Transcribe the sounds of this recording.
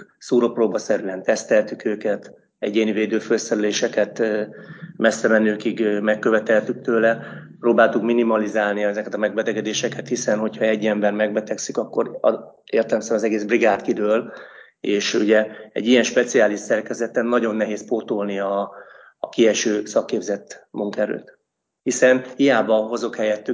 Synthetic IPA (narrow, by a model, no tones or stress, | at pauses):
suːɾoproːbɒsɛɾylɛnt̪ɛst̪ɛlt̪ykøːkɛt̪ | ɛɟeːniveːd̪øːfølsɛɾyleːʃɛkɛt̪ | mɛsːɛmɛnøːkiɡmɛkːøvɛt̪ɛlt̪yk̚t̪øːlɛproːbaːlt̪ukminimɒlizaːlniɛzɛkɛt̪ɒmɛɡ̚bɛt̪ɛɡɛd̪eːʃɛkɛt̪hisɛnho̞chɒɛɟːɛmbɛrmɛɡ̚bɛt̪ɛksykɒkːo̞ɾ̰ | eːrt̪ɛmsɛmɒzɛɡeːzbriɡaːt̪kid̪øːl | eːʃuɟɛɛ̰ɟːijɛnʃpɛt̪siaːliʃsɛrkɛzɛt̪ɛnːɒɟo̞nːɛɦeːspoːt̪olniɒː | kiɛʃøːsɒkːeːbzɛt̪ːmuŋkɛɾø̰ːt̪ | hisɛnhijaːbɒɦozo̞khɛjɛt̪ːy